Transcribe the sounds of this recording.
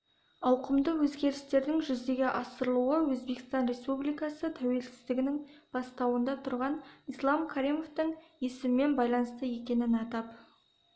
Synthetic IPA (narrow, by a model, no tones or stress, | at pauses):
ɑwqəmd̪əwɵzɡʲe̞ɾɪst̪e̞ɾd̪ɪŋʒʏzd̪e̞ɡʲɪʔɑsəɾlˠuəwɵzbe̞kɪ̥st̪ɑnɾe̞spublijkɑsət̪ʰæwe̞lsɪ̥zd̪ɪɡʲɪnɪŋ | b̥ɑst̪ɑwənd̪ɑt̪ʰʊɾʁɑnislˠɑmkʰaɾijmo̞ft̪əɴjesɪmɪme̞nbɑjlˠɑnəst̪əje̞kʲe̞nɪnɑt̪ɑp